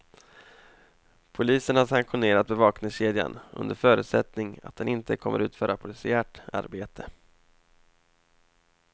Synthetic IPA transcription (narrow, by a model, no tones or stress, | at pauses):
pʰʊliːsənhasaŋkɧʊneːɾat̪̚bɛvɑːknɪŋsɕeːd̪ja̰nɵ̰nd̪əɾfœːɾʉ̟t̪sɛt̪nɪŋa̰t̪̚d̪ɛnɪnt̪əkʰɔmːəɾʉ̟ːt̪fœːɾapʰʊlɪsɪæːʈa̰ɾbeːt̪ʰə